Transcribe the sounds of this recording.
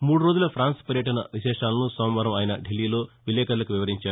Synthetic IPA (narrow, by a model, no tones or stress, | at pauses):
muːɽuɾo̞ːd͡ʒulɐpʰɾaːnspɐɾjɐʈɐnɐ̰ʋiʃɛːʂaːlɐnusɐːmʋɐɾɐmaːjɐnɐɖelːiːlo̞ːʋilːɛːkɐɾɐlɐkuʋiʋɐɾiɲt͡ʃaːɾu